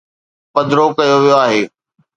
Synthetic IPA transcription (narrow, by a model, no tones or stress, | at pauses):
pɐd̪ɾokɐjoʋijoaːɦeː